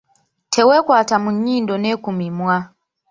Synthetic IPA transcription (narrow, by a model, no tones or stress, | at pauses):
tʰɛwɛkwatamuɲindɔnɛkumimwa